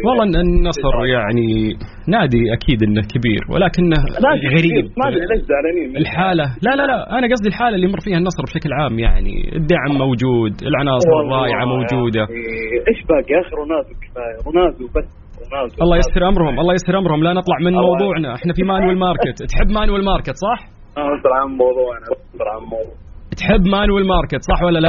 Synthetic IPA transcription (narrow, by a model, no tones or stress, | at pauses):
wɑlˤːɑnːɑsˤɨɾjaʕni | naːd̪iʔakʰiːd̪ʔɪnːakʰabḭːɾwʔɪ̰laːkɪnːaaɣaɾiːbmalad͡ʒzaʕlaniːmɪlħaːlalalalaʔanaɡɑs̬ˤd̪ilħaːlalːimʊrˤːfiːhanːɑsˤɾˤbʃaklʕaːmja̰ʕnḭɪ̰d̪ːaʕmːowd͡ʒuːd̪ɪ̰lʕanɑːsˤɨɾrˤːɑːʔɪʕamowd͡ʒuːd̪aʔeːʃbaːɡiʔaːxɪɾwnaːzɪbkɪ̥faːjɪɾnaːzɪwbas | naːzʔɑlˤːɑːjɪshɪɾʔamɾhʊmʔɑlˤːɑːjɪshɪɾʔamɾhʊmlanɨt̪ˤlɑʕmɪnmɑwððˤuːʕnaʔɪħnafimaːnwɪlmɑːɾˤkɪt̪t̪ħɪbːmaːnwɪlmɑːɾˤkɪt̪sˤɑħ | ad̪ɾʕammɑwðˤuːʕnaad̪ɾʕamːɑwðˤuːʕt̪ħɪbːmaːnwɪlmɑːɾˤkɪt̪sˤɑħwalːala